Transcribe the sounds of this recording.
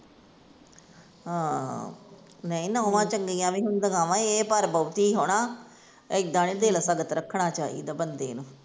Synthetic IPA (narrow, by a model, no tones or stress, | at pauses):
aː | nəĩːnaʊʋãːt͡ʃəŋɡiːãːʋĩːɦʊnd̪əɡãːʋãːeːpəɾbəːt̪iːɦoːɽãː | ɪk̚d̪ãːnẽːd̪eːlsəɡət̪ɾəkʰɳaːt͡ʃaːḭːd̪aːbənd̪ḛːnũː